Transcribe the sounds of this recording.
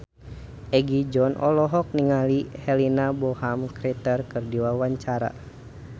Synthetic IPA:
ʔɛɡid͡ʒɔnʔɔlɔɦɔk̚niŋalihɛlinabɔhamkɾɛt̪ərkɨrdiwawaɲt͡ʃaɾa̰

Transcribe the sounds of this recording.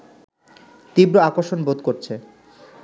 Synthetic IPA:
t̪ibɾoakoɾʃonbod̪koɾt͡ɕʰe

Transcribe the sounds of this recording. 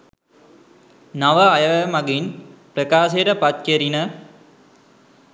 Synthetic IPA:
naʋəajəʋemaɡinpɾəkaːʃejəʈəpat̪̚keɾinə

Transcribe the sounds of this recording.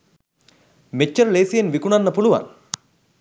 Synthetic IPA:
met͡ʃːəɾleːsijenʋikuɳanːəpuluʋa̰n

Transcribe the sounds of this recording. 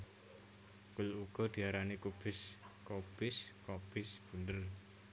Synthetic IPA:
kʊluɡ̥ɔ̤d̪̥i̤aɾanikub̥ɪskob̥ɪskɔb̥ɪsb̥ṳndər

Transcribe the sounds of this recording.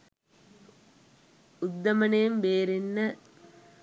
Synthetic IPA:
ʊd̪ːɐmɐnejmʋeːɾinːɐ

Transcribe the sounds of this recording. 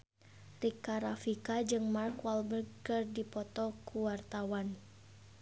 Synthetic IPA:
rikaɾafikad͡ʒɨŋmarkwalbərkɨrdipɔt̪ɔkʰuwart̪awan

